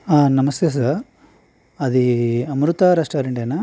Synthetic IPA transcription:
anɐmɐst̪ʰeːs̬a | ɐd̪iɐmɾut̪aɾaːsʈaːɾeɳʈenɐ

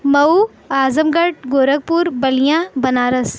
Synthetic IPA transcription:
mɐu | aːzəmɡɐʈ̚ɡoːɾəɡ̚puːɾbɐlijãːbɐnaːɾɐs

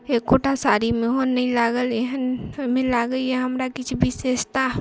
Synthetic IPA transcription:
ekoʈasaɾimẽɦonːəĩlaɡəleɦənmẽlaɡəjɛɦəmɾakit͡ʃʰbʱisest̪a

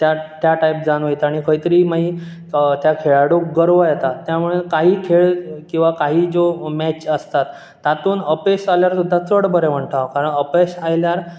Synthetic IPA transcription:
t̪jat̪jaʈajp̚d͡zanʋəjt̪aɽ̃ikʰəjt̪əɾiːmaɦi | t̪jakʰeɭaɽuk̚ɡəɾʋəjɛt̪at̪ːjamuɭekaɦiːkʰeɭkĩw̃ʋakaɦiːd͡zomɛt͡ɕəst̪at̪ː | at̪uːnəpesaljaɾsud̪ʱːat͡səɽbəɾem̤əɳʈ̪aʋkaɾəɳəpesajljaɾ

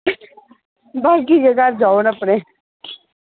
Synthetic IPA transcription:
baːɡid͡ʒeɡaɾd͡ʒaːonəpneː

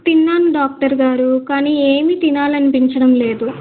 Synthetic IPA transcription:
t̪inːaːnɖaːk̚ʈɐɾɡaːɾukaːniːeːmit̪inaːlɐnipiɲt͡ʃɐɽɐmle̞ːd̪u

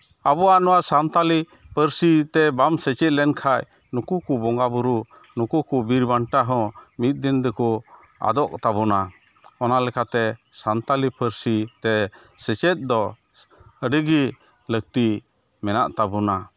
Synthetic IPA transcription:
abɔanɔwasant̪ali | pəɾsit̪ɛbamsɛt͡ʃɛt̪̚lɛnkʰaj | nukukubɔŋɡabuɾu | nukukubiɾbaɳʈaɦɔ̃mit̪̚ˀd̪ind̪ɛkɔ | a̰d̪ɔʔt̪abɔna | ɔnalɛkat̪ɛsant̪alipəɾsit̪ɛ | sɛt͡ʃɛt̪̚ˀd̪ɔ | əɖəɡi | lək̚t̪i | mɛnaʔt̪abuna

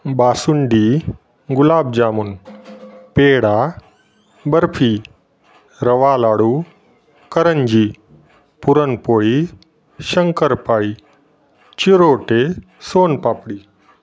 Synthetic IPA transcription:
baːsʊɳɖiː | ɡʊlaːbd͡ʒaːmʊn | peːɽaː | bɐɾpʰiː | ɾɐʋaːlaːɽuː | kɐɾənd͡ʒiː | pʊɾənpoːi | ʃəŋkəɾpaːiː | t͡ʃiɾoːʈe | soːnpaːpɽiː

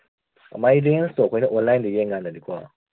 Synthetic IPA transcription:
ɐ̰majɾenstokʰojnɐʔɔnlajndijeŋːanːɐdikʰwa

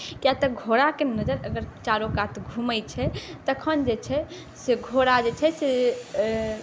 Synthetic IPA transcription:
kijat̪əɡʱoɽakenəd͡ʒəɾəɡəɾt͡ʃaɾokat̪ʰɡʱuməjt͡ʃʰɛt̪əkʰənd͡ʒet͡ʃʰɛ | seɡʱoɽad͡ʒet͡ʃʰɛse

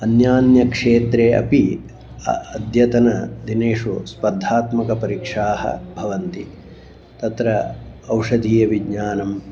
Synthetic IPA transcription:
ɐnjaːnjɐkʂeːt̪ɾeːɐ̰pi | ɐɐd̪ʱjɐt̪ɐnɐd̪ineːʂuspɐd̪ʱːaːt̪mɐkɐpɐɾikʂaːɦɐ̰bʱɐʋɐnt̪i | t̪ɐt̪ɾɐːwʂɐd̪ʱiːɐʋiɡɲaːnɐm

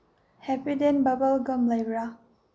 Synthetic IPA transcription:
hɛpidenbabəlɡəmlajbɾa

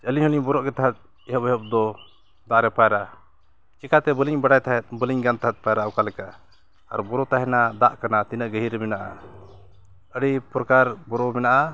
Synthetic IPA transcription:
t͡ʃəliɲhuliɲbɔɾɔʔkɛt̪aɦat̪̚ | ɛɦɔpɔɦɔp̚d̪ɔ | d̪aʔɾɛpajɾa | t͡ʃɛkat̪ɛbəliɲbaɽajt̪ʰaɦɛt̪̚bəliɲɡant̪aɦat̪̚ˀpajɾaɔkalɛka | a̰ɾbɔɾɔt̪aɦɛnad̪aʔkanat̪inəʔɡəɦiɾɛmɛnaʔa̰ | əɽipɾɔkaɾbɔɾɔmɛnaʔa

